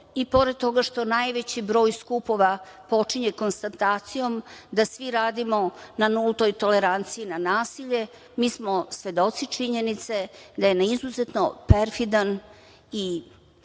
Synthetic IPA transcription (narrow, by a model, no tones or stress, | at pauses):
ipo̞ɾed̪̚t̪o̞ɡaʃt̪o̞najʋet͡ɕibɾo̞ːjskupo̞ʋapo̞t͡ʂiɲeko̞nst̪at̪aːt̪sijo̞md̪asʋiɾaːd̪imo̞nanulˠt̪o̞jt̪o̞leɾant̪sijinanaːsiʎe̞ | miːsmosʋe̞d̪o̞t̪sit͡ʃiɲenit̪se̞d̪ajenaizuzet̪nopeɾfid̪an | i